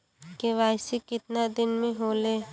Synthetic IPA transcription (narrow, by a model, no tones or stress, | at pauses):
keʋaːɪsikɪt̪nad̪ɪnmẽɦoːleː